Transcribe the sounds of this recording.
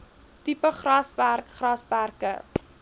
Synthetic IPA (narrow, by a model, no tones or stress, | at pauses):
tipəχrɐspærkχrɐspærkə̰